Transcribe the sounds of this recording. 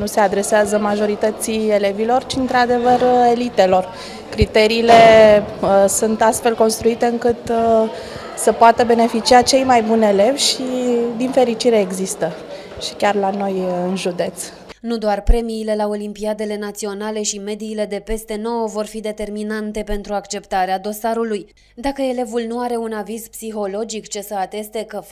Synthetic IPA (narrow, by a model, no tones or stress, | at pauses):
nuse̞ad̪ɾe̞seazəmaʒo̞ɾit̪ət̪sie̞le̞vilo̞rt͡ʃiɨnt̪ɾad̪e̞vəre̞lit̪e̞lo̞r | kɾit̪e̞ɾiːle̞ | sunt̪ast̪fe̞lko̞nst̪ɾuit̪e̞ɨŋkɨt̪ | səpoat̪əbe̞ne̞fit͡ʃiat͡ʃe̞jmajbune̞le̞vʲʃid̪infe̞ɾit͡ʃiɾe̞ːɡzist̪ə | ʃi̥kʲarlano̞jɨnʒud̪e̞t̪s | nud̪oarpɾe̞miːle̞lao̞limpiad̪e̞le̞nat̪sio̞nale̞ʃime̞d̪iːle̞d̪e̞pe̞st̪e̞no̞wəvo̞rfid̪e̞t̪e̞rminant̪e̞pe̞nt̪ɾuakt͡ʃe̞pt̪aɾead̪o̞saɾuluj | d̪akəe̞le̞vulnuaɾe̞unavizpsiɦo̞lo̞d͡ʒikt͡ʃe̞səat̪e̞st̪e̞kə